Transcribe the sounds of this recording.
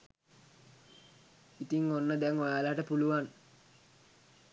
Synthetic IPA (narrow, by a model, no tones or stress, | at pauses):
it̪iŋonːəd̪ɛŋʋajaləɦaʈəpuluʋan